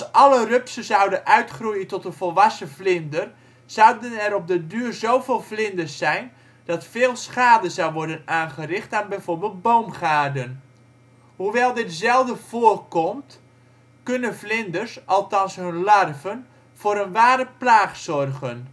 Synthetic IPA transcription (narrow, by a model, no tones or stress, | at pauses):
sɑlərøpsəzawdənʔœɥtχrujəntɔtənvɔlˠʋɑsəvlɪndər | z̥awdənɛɾɔb̚dədyːrzowvɪːlˠvlɪndəsɛjn | d̥ɑtfɪːlˠsχaːdəzawʋɔɹdənaːnχərɪχtaːnbɛjvʊːɹbɪːlˠt̚bowmχaːdən | huʋɛlˠdɪtzɛlˠvdəv̥oːrkɔmt | kɵnənvlɪndərsʔɑlˠtɑnsɦɵnlɑrvən | v̥ʊːɾənʋaːɾəplaːχsɔrɣən